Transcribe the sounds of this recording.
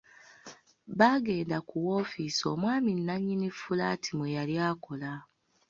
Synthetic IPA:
βaɡe̞ːndakuwoːfiːsio̞mwaːminːaɲːinifulaːtʰimwejaljaːko̞la

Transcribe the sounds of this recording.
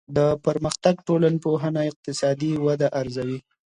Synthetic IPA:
d̪əpəɾməxt̪aɡ̚ʈolanpoɦənaɪq̚t̪ɪsɑd̪iwad̪aʔaɾzawi

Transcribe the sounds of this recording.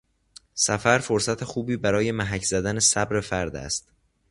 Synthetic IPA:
sæfæɾfo̞ɾsæt̪ʰe̞xuːbiːbæɾɒːje̞mæɦæcʰz̥æd̪æne̞sæbɾe̞fæɾd̪æ̰st̪̚

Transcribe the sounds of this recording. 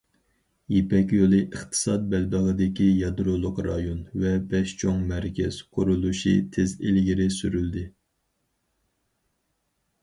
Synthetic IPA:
jepɛkʲjolˠɨʔəχt̪ʰɨ̥sɑt̪̚bɛlbəʁəd̪ɪkʲijɑd̪ɾolˠʊqɾɑjonvɛbɛʃt͡ʃʰoŋmæɾkʲʰɛz̥qʰʊɾulˠuʃḭt̪ʰezelɡʲiɾɪsyɾyld̪ɪ

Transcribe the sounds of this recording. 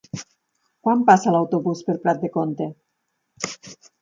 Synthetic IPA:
kwampasalawt̪oβuspeɾpɾat̪̚d̪ekont̪e

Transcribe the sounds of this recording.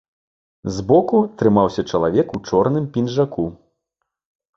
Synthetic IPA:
zbɔkut̪ɾɨmawsʲɐt͡ʂɐlˠavʲɛkut͡ʂɔrn̪ɨmpʲinʐaku

